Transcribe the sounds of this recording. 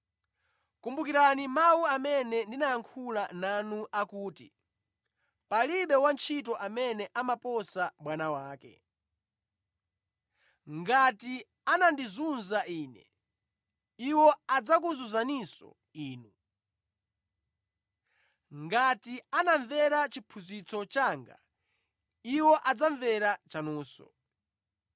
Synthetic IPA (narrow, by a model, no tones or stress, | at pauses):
kumbukiɾanimawuamɛnɛndinajaŋkʰulananuʔakuːtḭ | paliɓɛwant͡ʃʰitɔʔamɛnɛʔamapɔsaɓwanawaːkɛ̰ | ŋɡati | anandizunzaiːnɛ̰ | iwɔad͡zak̬uzuzanisɔ̰ | iːnu | ŋɡatianaɱvɛɾat͡ʃipʰuzit͡sʰɔt͡ʃaːŋɡa̰ | iwɔʔad͡zaɱvɛɾat͡ʃanuːsɔ̰